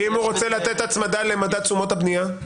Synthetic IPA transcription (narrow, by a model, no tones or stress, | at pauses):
imhuʁot͡se̞lat̪e̞t̪atmad̪ale̞mad̪at͡sumo̞t̪abnija